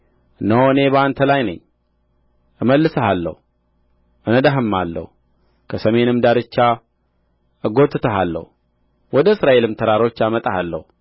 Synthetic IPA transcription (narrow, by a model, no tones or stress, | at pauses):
ɨnəwɨne̞bəant̪ʰəlajnə̰ɲː | ʔɨməlːɨsəhalːə̰hu | ʔɨnəd̪aɦɨmːalːə̰hu | kʰəsəme̞nɨmd̪aɾɨt͡ʃːa | ʔɨɡo̞t̪ːɨt̪ʰəɦalːə̰hu | wɔd̪əɨsɾaʔe̞lɨmt̪ʰəɾaɾo̞t͡ʃːamət̪ʼahalːə̰hu